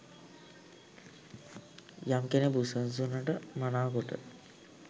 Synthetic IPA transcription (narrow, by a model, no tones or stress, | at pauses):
jamkenebusəns̬unːəʈəmanaːkoʈə̰